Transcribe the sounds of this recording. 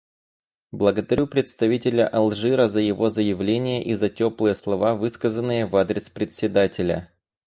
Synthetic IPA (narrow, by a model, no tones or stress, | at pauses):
blˠəɡəd̪ɐɾʲʔupɾʲɪt̪st̪ɐvʲitʲɪlʲə̰ʔɐlˠʐɨɾəzəjɪvo̞zəjɪvlʲenʲɪjəʔizɐtʲoplˠɨjəslˠɐvavɨskəzənːɨjəvad̪ɾʲɪspɾʲɪt̪sʲːɪd̪atʲɪlʲə̰